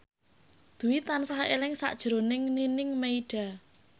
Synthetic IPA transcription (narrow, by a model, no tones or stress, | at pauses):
d̪̥ṳwit̪ansaɦaʔelɪŋsa̰ʔd̥ʒ̥ɾonɪŋninɪŋmeiɖ̥a̤